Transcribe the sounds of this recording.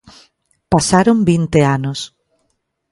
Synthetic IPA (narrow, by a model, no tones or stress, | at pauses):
pasaɾombint̪eanos